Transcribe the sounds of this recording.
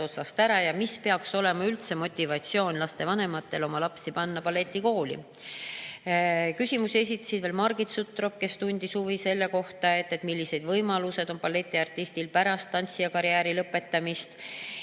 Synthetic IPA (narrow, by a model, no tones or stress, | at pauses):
o̞t̪sɑst̪æɾɑjɑmispe̞ɑkso̞le̞mɑylt̪se̞mo̞t̪ʲːivɑt̪ʲsio̞ːnlɑst̪e̞vɑne̞mɑt̪ːe̞lo̞mɑlɑpsipɑnːɑpɑlːe̞t̪ʲːˑiko̞ːlḭ | kysʲimuse̞s̬ʲit̪ːˑɑ̥sid̪veːlmɑrɡit̪sut̪ːˑro̞p̚ke̞st̪unʲd̪̥isuvise̞lːe̞ko̞ht̪ɑe̞t̪ːe̞t̪milːise̞d̪vɤjmɑluse̞d̪̥o̞npɑlːe̞t̪ʲːˑiɑrt̪ːˑist̪ilpæɾɑst̪ːɑnʲsiɑkɑɾiæːɾilɤpːˑe̞t̪ːɑmist̪